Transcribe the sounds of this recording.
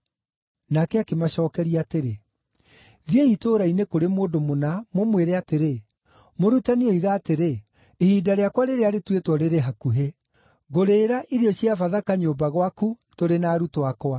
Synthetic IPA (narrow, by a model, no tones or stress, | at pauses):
nakɛakemaɕɔːkɛɾiateɾe | ðieitoːɾainekoɾemoːndomonamomweɾɛateɾe | moɾutaniɔiɣaːteɾe | ehiːdaɾeakwaɾeɾeaɾetwetwɔɾeɾeɦakuɦe | ɣoɾeːɾaʔiɾiɔɕiafaðakaɲoːbaɣwaku | toɾenaːɾutwakwa